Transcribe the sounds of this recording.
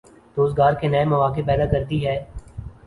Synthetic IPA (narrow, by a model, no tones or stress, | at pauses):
ɾoːzɡaːɾkenɐemɐʋaːkepɛːd̪akɐɾt̪iɦɛː